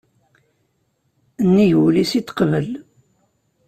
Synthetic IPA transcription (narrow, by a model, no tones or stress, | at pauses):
nːijwlisit̪ːqəvəl